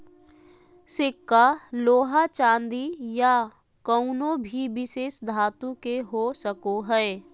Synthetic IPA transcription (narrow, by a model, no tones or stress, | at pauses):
sɪkːaloːɦat͡ʃãːnd̪ija | kəʊnobʱibɪʃeːsd̪ʱaːt̪ũkeɦosəkoɦɛː